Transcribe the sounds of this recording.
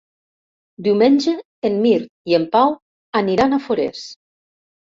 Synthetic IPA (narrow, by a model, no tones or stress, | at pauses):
d̪iwmenʲd͡ʒeː | mːiɾt̪iempaw | aniɾanafoɾḛs